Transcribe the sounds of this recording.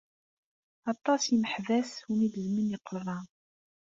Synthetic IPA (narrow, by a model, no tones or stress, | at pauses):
ɑt̪ˤːɑsiməħvæshumid̪əzmənjəqːɾðˤɑ